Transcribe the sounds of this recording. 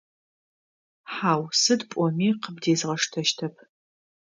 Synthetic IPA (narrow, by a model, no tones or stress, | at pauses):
ħaːwsɨdpʷʼɔmiːqəbdeːzʁɐʂtʰɐʃtʰɐpʰ